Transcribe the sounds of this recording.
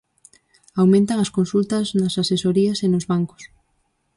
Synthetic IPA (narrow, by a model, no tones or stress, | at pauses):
awmẽnt̪aŋɐskonsult̪ɐznasasesoɾiasenozβaŋko̥s